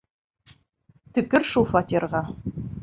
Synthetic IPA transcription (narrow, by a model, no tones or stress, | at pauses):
t̪ɵ̆kɘɾʃulˠfat̪ʲirʁɑ